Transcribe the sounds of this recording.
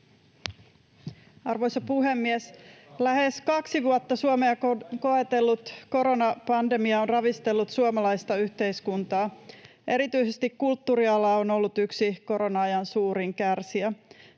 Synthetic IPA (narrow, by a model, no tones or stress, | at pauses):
ɑrʋo̞jsɑpuɦe̞mːieslæheskɑksiʋuot̪ːɑsuomeɑko̞et̪elːut̪ko̞ɾo̞nɑpɑnde̞miɑonrɑʋist̪e̞lːut̪suomɑlɑjst̪ɑyht̪e̞iskunt̪ɑː | ʔe̞ɾit̪yisest̪ikkult̪ːuɾiɑlɑono̞lːut̪yksiko̞ɾo̞nɑɑjɑnsuːɾiŋkærsiæ